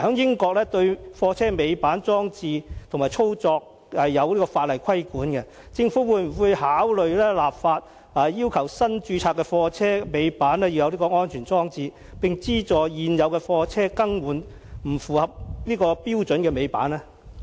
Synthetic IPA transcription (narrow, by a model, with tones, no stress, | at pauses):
hœː˨˥ŋjɪ˥ŋkɔː˧k̚lɛː˥t̪ɵ˧ɥfɔː˧t͡sʰɛː˥me˨˧jpaː˨˥nt͡sɔː˥ŋt͡siː˧t̪ʰʊ˨˩ŋmaː˨˩jt͡sʰo˥wt͡sɔː˧k̚ | hɐ˨jːɐ˨˧wliː˥kɔː˧faː˧t̚lɐ˨˩jkʰɐ˥jkuː˨˥nkɛ˧ | t͡sɪ˧ŋfuː˨˥wuː˨˧jm̩˨˩wuː˨˧jhaː˨˥wlɵ˨ɥlɛː˥laː˨p̚faː˧t̚ | ɐː˨jiː˥wkʰɐ˨˩wsɐ˥nt͡ʃyː˧t͡sʰaː˧tkːɛ˧fɔː˧t͡sʰɛː˥me˨˧jpaː˨˥nɛː˥ji˧wjɐ˨˧wliː˥kɔː˧ŋɔː˥nt͡ʃʰyː˨˩nt͡sɔː˥ŋt͡siː˧ | pɪ˨ŋt͡siː˥t͡sɔː˨jiː˨njɐ˨˧wkɛ˧fɔː˧t͡sʰɛː˥kɐ˥ŋwuː˨˩n | m̩˨˩fuː˨˩hɐ˨p̚liː˥kɔː˧piː˥wt͡ʃɵ˨˥nkɛː˧me˨˧jpa̰ː˨˥nɛː˥